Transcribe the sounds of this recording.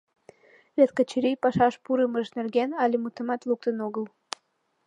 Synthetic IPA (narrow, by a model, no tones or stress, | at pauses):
βet̪kət͡ɕiɾijpɑʃɑʃpuɾəməʒnerɣenɑlʲemut̪əmɑt̪luk̚t̪ənoɣəl